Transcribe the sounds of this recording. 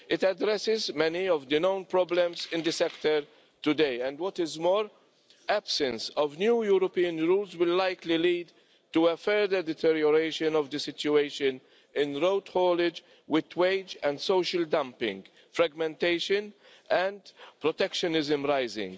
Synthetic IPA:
ɪt̪ædɾɛsɪzmɛniɔvd̪ɨnõʊ̃npɾɔblɛ̃mzɪ̃nd̪ɨsɛkt̪əɾ | t̪ʊd̪eɪɛ̃ndwɔt̪ɪzmɔːɾ | æb̥sɛ̃nsɔvnjuːjuɾɔpiːə̃nɾuːlzwɪlːaɪkliliːd̪ | tuəfɛɾd̪əɾd̪ɛt̪ʰɛɾjɔɾeɪʃə̃nɔvd̪əsɪt͡ʃjueɪʃɨ̃n | ɪ̃nɾoʊt̪hɔːlɪd͡ʒ | wɪd̪weɪd͡ʒɛ̃ndsoʊʃəld̪ãmpɪ̰̃ŋɡ | fɾaɡmɛ̃nt̪eɪʃə̃n | ʔɛ̃ndpɾɔt̪ɛkʃɔnɪzə̃mɾaɪzɪ̰̃ŋɡ

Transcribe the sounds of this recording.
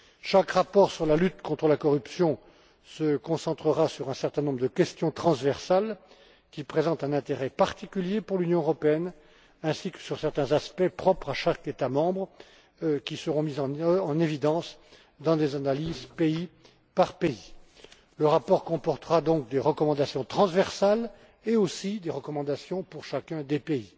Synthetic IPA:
ʃakʁapɔʁsyʁlalyt̪kɔ̃t̪χəlakɔʁypsjɔ̃ | səkɔ̃sɑ̃t̪χəʁasyʁɛ̃sɛʁt̪ɛ̃nɔ̃bʁd̪əkʲɛst̪jɔ̃t̪χɑ̃svɛʁsal | kʲipχezɑ̃t̪ɛ̃nɛ̃t̪eʁɛpaʁt̪ikʲyljepuʁlynjɔ̃əʁɔpeɛn | ɛ̃sikə̥syʁsɛʁt̪ɛ̃zaspɛpχɔpχaʃaket̪amɑ̃bʁə | kʲisəʁɔ̃mizɑ̃ɑ̃nevid̪ɑ̃s | d̪ɑ̃d̪ezanalizpei | paʁpei | ləʁapɔʁkɔ̃pɔʁt̪əʁad̪ɔ̃k̚d̪eʁəkɔmɑ̃d̪asjɔ̃t̪χɑ̃zvɛʁsal | eosid̪eʁəkɔmɑ̃d̪asjɔ̃puʁʃakʲɛ̃d̪epei

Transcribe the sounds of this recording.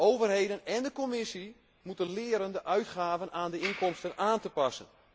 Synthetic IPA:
oːvərhejdənɛndəkomɪsi | mutənlɪːəɾəndəʔœɥtχaːvənʔaːndəɪnkɔmstənʔaːntəpɑsə̰n

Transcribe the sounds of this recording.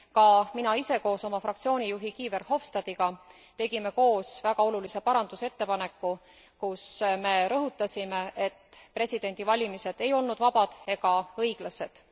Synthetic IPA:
kɑminɑise̞ko̞ːso̞mɑfrɑkt̪sio̞ːnʲijuɦikiːve̞rho̞fst̪ɑd̪̥iɡ̥ɑ | t̪e̞ɡ̥ime̞ko̞ːsvæɡ̥ɑo̞lulise̞pɑɾɑnd̪̥use̞t̪ːe̞pɑne̞kːu | kusme̞ɾɤɦut̪ːˑɑsʲimeʔe̞t̪ːpre̞sʲid̪̥e̞nʲd̪̥ivɑlʲimise̞d̪̥e̞jo̞lnud̪̥vɑb̥ɑd̪̥e̞ɡ̥ɑɤjɡ̥lɑse̞d̪̥

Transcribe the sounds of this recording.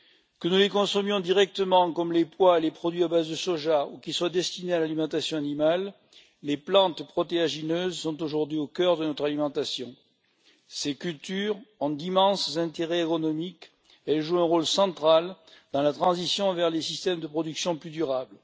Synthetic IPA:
kənulekɔ̃sɔmjɔ̃d̪iʁɛk̚t̪əmɑ̃kɔmlepwaelepχɔd̪ɥiabazd̪əsɔʒaukilswad̪ɛst̪inealalimɑ̃t̪asjɔ̃animalː | eplɑ̃t̪pχɔt̪eaʒinøzsɔ̃t̪oʒuʁd̪ɥiokœʁd̪ənɔt̪χalimɑ̃t̪asjɔ̃ | sekylt̪yʁɔ̃d̪imɑ̃szɛ̃t̪eʁɛekɔnɔmik | ɛlʒuɛ̃ʁɔlsɑ̃t̪χald̪ɑ̃lat̪χɑ̃zisjɔ̃vɛʁlesist̪ɛmd̪əpχɔd̪yksjɔ̃plyd̪yʁabl

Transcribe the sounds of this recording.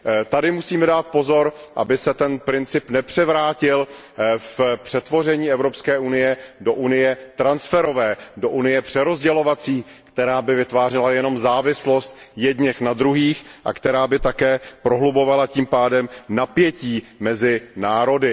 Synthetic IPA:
t̪adɪmusiːmɛdaːt̪̚po̞zo̞ɾ | ʔa̰bɪsɛt̪ɛnpɾɪnt͡sɪpnɛpr̝̥ɛvɾaːcɪl | fpr̥ɛt̪vo̞r̝ɛɲiːɛvɾo̞pskɛːʔunɪjɛdo̞ʔunɪjɛt̪ɾansfɛɾo̞vɛːdo̞ʔunɪjɛpr̝̥ɛɾo̞zɟɛlo̞vat͡siː | kt̪ɛɾaːbɪvɪt̪vaːrɛlajɛno̞mzaːvɪslo̞st̪jɛdɲɛxnad̪ɾuɦiːxʔa̰kt̪ɛɾaːbɪt̪akɛːpɾoɦlubo̞valaciːmpaːdɛmnapjɛciːmɛzɪnaːɾo̞dɪ

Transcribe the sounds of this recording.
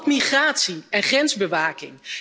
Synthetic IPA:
tmiχraːtsiɛnχrɛnzbəʋaːkɪ̰ŋ

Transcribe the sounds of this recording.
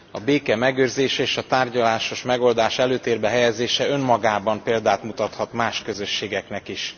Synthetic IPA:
ɒbeːkɛmɛɡøːrzeːʃɛeːʃɒt̪aːrɟɒlaːʃo̞ʃmɛɡo̞ld̪aːʃɛløːt̪eːrbɛɦɛjɛzeːʃɛø̞mːɒɡaːbɒmpeːld̪aːt̪mut̪ɒt̪hɒt̪maːʃkø̞zø̞ʃːeːɡɛknɛkiʃ

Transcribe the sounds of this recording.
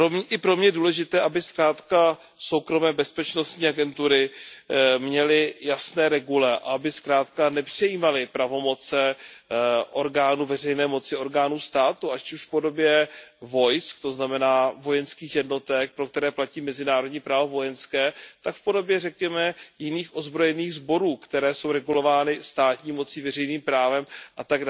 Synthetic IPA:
omʔɪpɾo̞mɲɛduːlɛʒɪt̪ɛːʔabɪskɾaːt̪ka | so̞wkɾo̞mɛːbɛspɛt͡ʃnost̪ɲiːaɡɛnt̪uɾɪ | mɲɛlɪjasnɛːɾɛɡulɛʔa̰abɪskɾaːt̪kanɛpr̝̥ɛjiːmalɪpɾavo̞mo̞t͡sɛ | ʔo̞ɾɡaːnuvɛr̝ɛjnɛːmo̞t͡sɪo̞ɾɡaːnuːst̪aːt̪uʔacuʃfpo̞do̞bjɛvo̞jskt̪o̞znamɛnaːvo̞jɛnskiːxjɛdno̞t̪ɛk̚pɾo̞k̚t̪ɛɾɛːplaciːmɛzɪnaːɾodɲiːpɾaːvovo̞jɛnskɛːt̪akfpo̞do̞bjɛrɛkɲɛmɛjɪniːxʔo̞zbɾo̞jɛniːɣzbo̞ɾuːkt̪ɛɾɛːso̞wɾɛɡulo̞vaːnɪst̪aːt̪ɲiːmo̞t͡siːvɛrɛjniːmpɾaːvɛmʔat̪aɡa

